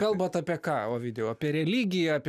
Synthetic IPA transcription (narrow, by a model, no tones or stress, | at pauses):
kɐlˠbɐt̪ɑːpʲiɛkɑːoːʋʲɪːd̪ʲɛjoːɐpʲiɛɾʲɛlʲiːɡʲɪjɛpʲ